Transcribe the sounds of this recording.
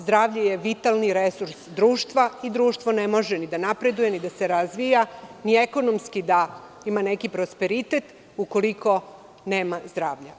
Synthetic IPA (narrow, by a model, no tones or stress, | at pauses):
zd̪ɾaːʋʎajeʋit̪alniɾesuɾsd̪ɾuːʃt̪ʋaid̪ɾuːʃt̪ʋo̞ne̞mo̞ʒenid̪anapɾe̞d̪uje̞nid̪ase̞ɾazʋijanie̞ko̞nomskid̪a | imane̞kipɾospe̞ɾit̪et̪ | uko̞liko̞ | ne̞ːmazd̪ɾaːʋʎa